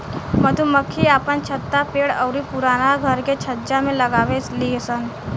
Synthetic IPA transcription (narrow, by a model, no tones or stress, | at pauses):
mət̪uməkʰːiapənt͡ʃʰət̪ːapeɽəwɾipuɾanaɡʱəɾket͡ʃʰəd͡ʒamẽləɡaʋet͡sliəsən